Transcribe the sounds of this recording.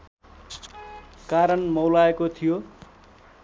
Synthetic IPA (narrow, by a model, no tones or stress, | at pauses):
kaɾʌnmʌwlaekot̪ʰijo